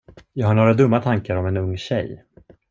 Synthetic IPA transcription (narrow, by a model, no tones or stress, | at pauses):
jɑːɡhaɳoːɾad̪ɵmːat̪ʰaŋkaɾɔmɛnɵŋːɕɛ̰j